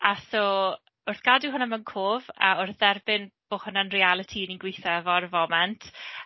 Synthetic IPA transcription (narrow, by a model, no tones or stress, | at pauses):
asoː | ʊrθɡ̥adɪɦʊnamənkʰoːva̰ʊrθðɛrbɪnb̥oːhʊnanrialˠɪtʰininɡwejθɛvɔrvɔmɛntʰ